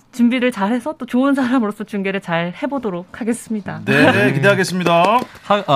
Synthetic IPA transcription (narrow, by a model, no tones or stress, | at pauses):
t͡ɕumbiɾɯɭt͡ɕaɭhe̞sʰʌt͈ot͡ɕoɯns̬ʰaɾamɯɾos͈ʌt͡ɕuŋɡe̞ɾɯɭt͡ɕaɭhe̞bodoɾok̚ʰhaɡe̞s͈ɯmɲidanekideɦaɡes͈ɯmɲidaha